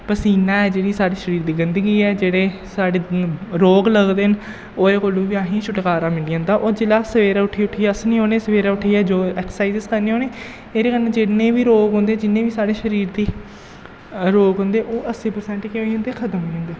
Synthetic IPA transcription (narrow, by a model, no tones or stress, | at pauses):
pəsiːnãːɛːd͡ʒeːɽiːsaːɖiːʃəɾiːɾd̪iːɡɪnd̪əɡiːɛːd͡ʒeːɽeːsaːɖeːɾoːɡləɡd̪eːɦən | oːeːkoːlũːʋiãːɦĩːʃʰʊʈkaːɾãːmɪɳiːãːnd̪aːʔoːd͡ʒɪlaːsəʋeːɾaːʊʈʰiːʊʈʰiːaːsnĩːɦoːneːsəʋeːɾaːʊʈʰiːɛːd͡ʒoːɛːkssaːiːzɪskəɾneːɦoːneː | eːɾeːkənːẽːd͡ʒenẽːʋiːɾoːɡɦõnd̪eːd͡ʒɪnːẽːʋiːsaːɽeːʃəɾiːɾd̪iː | ɾoːɡɦõːnd̪eːʔoːʔəsiːpəɾsɛ̃ːɳʈːkeɦoːə̃nd̪eːkʰət̪əmɦoːiɦõːnd̪eː